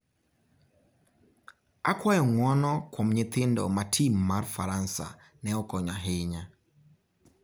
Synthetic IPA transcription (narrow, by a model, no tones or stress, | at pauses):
akwajɔŋwɔnɔkwɔmɲɪt̪ɪndɔ̰matʰimːarfaɾansa̰ | nɛɔkɔɲaɦɪɲa